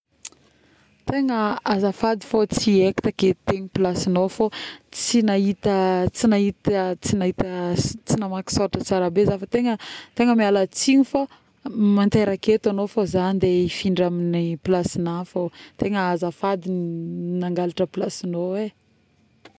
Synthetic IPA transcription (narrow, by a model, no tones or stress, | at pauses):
t̪eŋəazafad̪ifot͡sieki̥t̪aket̪eɲipilasinofot͡sinaɦit̪ət͡sinaɦit̪t͡sinaɦit̪ət͡sinamaki̥soʈ͡ʂət͡saɾabezafət̪eŋət̪eŋəmialat͡siɲifo | mant̪eɾaket̪anofozanid̪eifiɳɖ͡ʐaminipilasinafot̪eŋəazafad̪ininaŋɡalaʈ͡ʂəpilasinowe